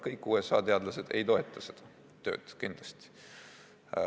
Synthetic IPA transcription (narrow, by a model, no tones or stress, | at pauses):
kɤjkːˑuːesɑ̰ːt̪e̞ɑd̪lɑse̞d̪e̞̰jt̪o̞e̞t̪ˑːɑse̞d̪̥ɑ | t̪ø̞̰ːd̪̥kind̪̥lɑsʲt̪i̥